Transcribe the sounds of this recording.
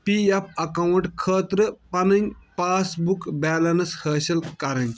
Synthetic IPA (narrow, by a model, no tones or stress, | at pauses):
piːɐp̚ɐkɐwuɳʈkʰəːt̪ɾəpɐnɐnʲpaːsbukbɛːlɐnɐshəːɕɐlkɐɾɐnʲ